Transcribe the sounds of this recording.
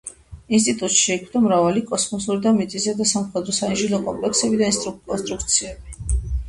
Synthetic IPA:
ins̬t̪ʼit̪ʼut̪ʃɛːkʰmd̪amɾavalikʼɔsmɔsuɾid̪amit̪sʼisad̪asamχwɛd̪ɾɔsaiʒilɔkʼɔ̰mpʼlɛksɛbid̪ainst̪ʼɾukʼɔnst̪ʼɾuk̚ʰt̪sʰiɛbi

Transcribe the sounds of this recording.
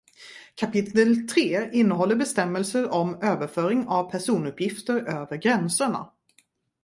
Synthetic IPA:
kʰapɪt̪əlt̪ʰɾeːɪnːəɦɔlːəɾbɛst̪ɛmːəlsəɾɔmøːvəɾfœːɾɪŋavpʰæʂuːnɵpjɪft̪əɾøːvəɾɡɾɛnsəɳa̰

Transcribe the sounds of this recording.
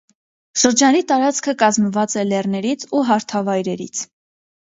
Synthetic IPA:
ʃəɾd͡ʒɑnit̪ɑɾɑt͡skʰəkɑzməvɑt͡sɛlɛrnɛɾit͡sʰuɦɑɾt̪ʰɑvɑjɾɛɾḭt͡sʰ

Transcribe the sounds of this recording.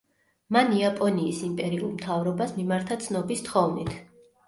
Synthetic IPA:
maniapʼɔniːsimpʼɛɾiulˠmt̪ʰavɾɔbasmimaɾt̪ʰat̪sʰnɔbist̪χɔvnit̪ʰ

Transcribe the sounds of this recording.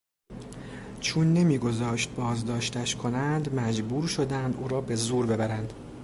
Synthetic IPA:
t͡ʃʰuːnːe̞miːɡo̞zɒːʃt̪̚bɒːzd̪ɒːʃt̪ʰæʃkʰo̞nænd̪mæd͡ʒbuːɾʃo̞d̪ænd̪ʔuːɾɒːbe̞zuːɾbe̞bæɾænd̪̥

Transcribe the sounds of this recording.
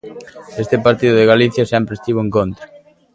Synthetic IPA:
est̪ɪpaɾt̪iðʊðeɣaliθjɐsɛmpɾest̪iβoeŋkont̪ɾa

